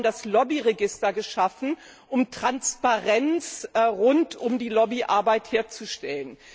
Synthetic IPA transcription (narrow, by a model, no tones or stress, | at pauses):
ndaslɔbiʁeɡɪstɐɡəʃafn̩ | ʔʊmtʁ̥anspaʁɛnt͡sʁʊntʊmdiːlɔbiʔa̰ɐbaɪtheːɐt͡suʃtɛlən